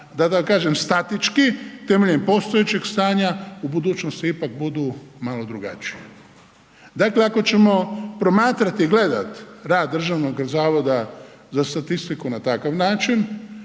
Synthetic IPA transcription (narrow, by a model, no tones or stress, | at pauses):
d̪at̪akkaːʒemst̪at̪it͡ʃkit̪e̞meʎempo̞st̪ojet͡ɕeɡst̪aːɲaubud̪uːt͡ʃnost̪iipak̚bud̪umalo̞d̪ɾuɡa̰t͡ʃijḛ | d̪akle̞ako̞t͡ʃe̞mo̞pɾo̞maːt̪ɾat̪iiɡle̞d̪a̰t̪ɾaːd̪ːɾr̩ʒaʋnoɡzaːʋo̞d̪a | zast̪at̪ist̪ikunat̪akaʋnaːt͡ʃin